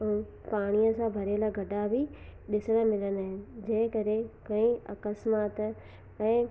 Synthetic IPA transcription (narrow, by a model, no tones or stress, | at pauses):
paːɽ̃iəsãbʱɐɾelaɡʱɐɖabʱiɗɪsəɽ̃ə̆mɪlənaːɦɪnɪ̆d͡ʑɐ̃ːɦɪ̃kɐɾekɐ̃ĩɐkəsmaːt̪ | ɛ̃ː